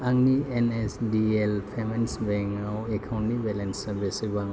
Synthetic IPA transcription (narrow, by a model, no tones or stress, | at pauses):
aŋnienesdielpʰemensbeŋawekʰawnnibelensɐbesibaŋ